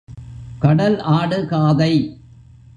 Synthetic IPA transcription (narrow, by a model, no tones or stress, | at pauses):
kɐɽɐlaːɽɯkaːðɐɪ